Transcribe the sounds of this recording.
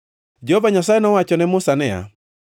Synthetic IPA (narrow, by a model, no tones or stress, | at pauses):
d͡ʒehovaɲasajenɔwat͡ʃɔnɛmʊsanɛja̰